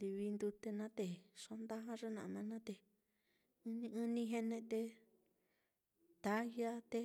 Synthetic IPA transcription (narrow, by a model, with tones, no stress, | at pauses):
li˧βi˧nd̪u˧t̪e˧nã˦t̪e˧ʂo˧˦nd̪a˦ɦã˦ʐe˦nã˨˧nã˧nã˦t̪e˧˨ | ɨ̃˧nĩ˧ɨ̃˦nĩ˧ɦe˦˧nẽ˧t̪e˧ | t̪a˨˦ja˦t̪e˧